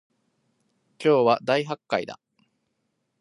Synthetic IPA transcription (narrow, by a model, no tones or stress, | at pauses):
kʲo̞ːβad̪aiɦakːaḭd̪a̰